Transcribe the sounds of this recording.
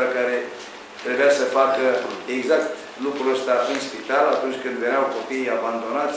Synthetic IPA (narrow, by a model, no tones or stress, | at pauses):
əkaɾe̞ | t̪ɾe̞bujasəfakəeɡzakt̪ | lukɾuəst̪aɨnspit̪alat̪unt͡ʃʲkɨnd̪veneawko̞pijaband̪o̞nat̪sʲ